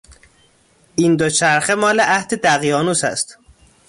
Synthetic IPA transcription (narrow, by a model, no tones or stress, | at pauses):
ʔind̪ot͡ʃʰæɾxemɒːleʔæhd̪ed̪æɣjɒːnusæ̰st̪